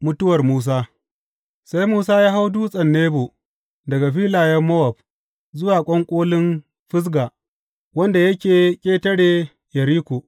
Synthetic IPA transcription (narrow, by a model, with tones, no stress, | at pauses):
mʊ˦tʊ˦wɐ˨rmuː˦s̬aː˦ | sa˦jmuː˦saː˦jaː˦ɦa˦wduː˦sʼɐ˨nːeː˦bo˨ | dɐ˨ɡa˨ɸiː˦laː˨jɐ˦mːɐ˦wɐ˨ɸ̚ | zʊ˦waː˨kʷʼɐ˦ŋkʷʼoː˦lɪ˦n | ɸɪ˦s̬ɡaː˨ | wɐ˦nda˨jɐ˦kʲeː˨kʲʼeː˦tɐ˦ɽeː˨ | jɐ˨ɾiː˦kʷoː˨